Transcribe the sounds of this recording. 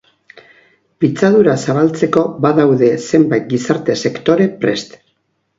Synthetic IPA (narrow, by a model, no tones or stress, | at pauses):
pit͡saðuɾasaβ̞alt͡se̞ko̞βaðawðe̞se̞mbajt̪̚ɡisaɾt̪e̞se̞kt̪o̞ɾe̞pɾe̞st̪